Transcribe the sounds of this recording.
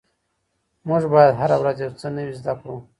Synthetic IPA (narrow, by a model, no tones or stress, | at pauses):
muʒbajad̪ɦaɾawɾazjewt͡sənawizd̪akɽu